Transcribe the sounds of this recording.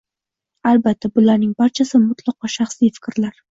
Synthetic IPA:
albat̪ʰːabʊlaɾnɪŋbaɾt͡ʃʰasɪmʊt̪ʰlˠɑqɒʃaχsijfɪ̥kʲɾlaɾ

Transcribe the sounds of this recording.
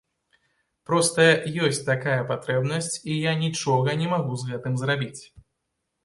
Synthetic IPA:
pɾɔst̪ɐjɔsʲt͡sʲt̪akajɐpat̪ɾɛbnɐsʲt͡sʲijanʲit͡ʂɔɣɐnʲɛmaɣuzɣɛt̪ɨmzɾabʲit͡sʲ

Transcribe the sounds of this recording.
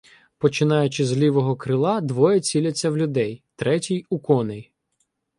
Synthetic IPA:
pɔt͡ʃɪnɑjʊt͡ʃɪzlʲiʋɔɦɔkɾɪlˠɑd̪ʋɔjɛt͡sʲilʲɐt͡sʲːɐwlʲʊd̪ɛjt̪ɾɛtʲijukɔnej

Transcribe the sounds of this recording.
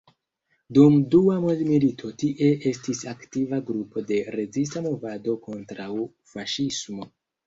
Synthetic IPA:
dumduamodmilitʰo̞tiʔe̞ʔe̞stisaktivaɡɾupo̞de̞ɾe̞zis̬tamo̞vado̞ko̞ntɾaw | faʃismo̞

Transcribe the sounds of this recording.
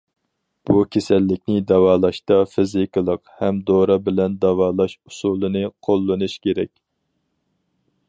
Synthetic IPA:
b̥ukʲʰesɛlːɪkʲnɪd̪ɑwɑːlˠɑʃt̪ɑfɪzikɨlˠəqhɛmd̪oɾɑbɪlɛnd̪ɑwɑːlˠɑʃu̥sulˠɨnɨqʰolˠːɨnɨʃkʲeɾɛkʲ

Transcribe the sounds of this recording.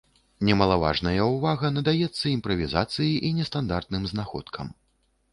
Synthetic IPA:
nʲɛmɐlˠava̰ʐnɐjɐwvaɣɐnɐd̪ajɛt̪sːɐimpɾɐvʲiza̰t̪sɨjiʔinʲɛst̪and̪art̪̚nɨmznaxɔ̰t̪kʰɐm

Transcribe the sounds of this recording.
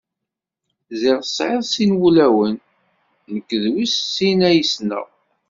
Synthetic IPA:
zɪʁəsʕeðˤsinwulæwənː | əkːðwissːinæjəsnə̰ʁ

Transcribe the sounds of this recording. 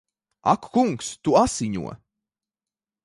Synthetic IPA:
a̰kkuŋkst̪uasiɲṵɔ

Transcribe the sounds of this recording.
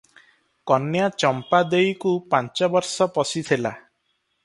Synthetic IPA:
kɔnjat͡ʃɔmpad̪ejkupant͡ʃɔbɔɾsɔpɔsit̪ʰila̰

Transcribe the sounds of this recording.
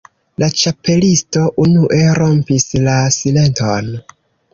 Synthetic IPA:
lat͡ʃape̞listo̞ʔunuʔe̞ɾo̞mpislasile̞nto̞n

